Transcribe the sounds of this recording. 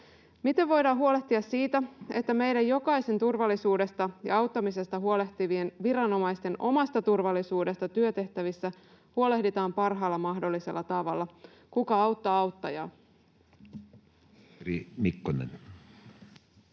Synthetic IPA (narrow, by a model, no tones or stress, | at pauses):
mit̪e̞ʋːo̞jdɑːɦuo̞le̞ht̪iɑsːiːt̪æe̞t̪ːæme̞jdæjjo̞kɑise̞nt̪urʋɑlːisuːde̞st̪ɑjɑ̰ɑwt̪ːɑmise̞st̪ɑɦuo̞le̞ht̪iʋienʋiɾɑno̞mɑist̪e̞no̞mɑst̪ɑt̪urʋɑlːisuːde̞st̪ɑt̪yøt̪e̞ht̪æʋisːæ | huo̞le̞hdit̪ɑːmpɑrɦɑːlːɑmɑhdo̞lːise̞lːɑt̪ɑʋɑlːɑ | kukɑɑwt̪ːɑɑwt̪ːɑjɑ̰ː | rḭmikːonḛn